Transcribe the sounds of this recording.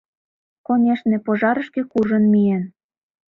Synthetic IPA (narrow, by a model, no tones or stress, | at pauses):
konʲeʃnĕpoʒɑɾə̆ʃkĕkuʒə̆nmijen